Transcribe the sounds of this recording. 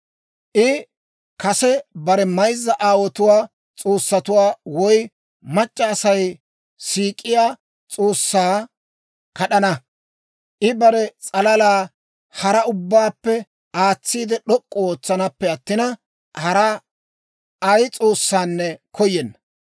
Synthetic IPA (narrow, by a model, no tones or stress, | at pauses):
ʔɪ | kɐsɛbɐɾɛmɐjzːɐʔaːwɔt̪ʊwaː | t͡sʼo̞ːsːɐt̪ʊwaːwɔj | mɐt͡ʃʼːɐːsɐj | siːkʼːɪjaː | t͡sʼoːsːaː | kɐɗɐnɐ | ʔɪbɐɾɛt͡sʼɐlɐlaː | hɐɾɐʊbːaːpːɛ | ʔaːt͡sːiːd̪ɛɗɔkʼːɔoːt͡sːɐnɐpːɛɐt̪ːɪnɐ | hɐɾɐ | ʔɐjt͡sʼo̞ːsːaːnːɛkʰɔjːɛnːɐ̥